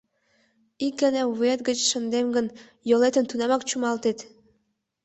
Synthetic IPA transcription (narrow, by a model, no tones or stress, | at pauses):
ik̚ɡəneuvet̪ɡə̆t͡ɕʃɤ̆nd̪emɡə̆n | jolˠet̪ə̆nt̪unɑmɑkt͡ɕumɑlˠt̪et̪